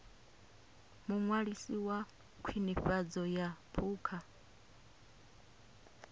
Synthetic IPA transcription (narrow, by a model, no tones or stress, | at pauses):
muŋwaɺisiwa | kʰwiniɸad͡zɔjapʰuːkʰa